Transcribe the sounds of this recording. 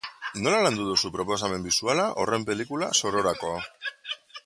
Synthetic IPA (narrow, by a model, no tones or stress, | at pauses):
no̞laland̪uðusupɾo̞po̞s̬ame̞mbisualaʔo̞re̞mpe̞likula̰so̞ɾo̞ɾako̞a